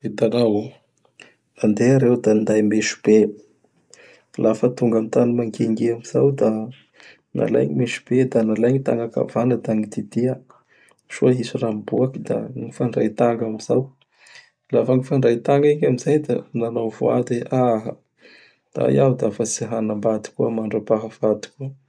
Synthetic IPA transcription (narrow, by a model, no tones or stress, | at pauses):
ed̪anaw | and̪eaɾewd̪and̪ajmeʃu̥b̥e | lafət̪uŋɡamit̪animaŋkeŋɡeamiz̥awd̪a | nʔa̰la̰jɲimeʃu̥b̥ed̪analajɲit̪a̰ŋɡaka̰vanəd̪aŋid̪id̪ia | ʃuaɦisurambuakid̪a̰ŋifaɳɖ͡ʐa̰jt̪aŋɡamiz̥aw | lafəŋifaɳɖ͡ʐajt̪aŋɡiɲamizajd̪ananawvo̰ad̪eʔaɦa | d̪̥a̰j̰awd̪afat͡siɦanambad̪i̥kuəmaɳɖ͡ʐapaɦavad̪i̥kuə